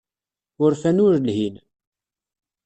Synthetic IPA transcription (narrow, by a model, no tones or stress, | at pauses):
ʊɾfænʊɾlɦin